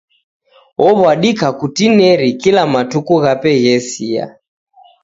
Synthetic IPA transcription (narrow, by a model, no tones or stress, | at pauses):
ɔβwaɗikakutinɛɾikilamatukuɣapɛɣɛsia̰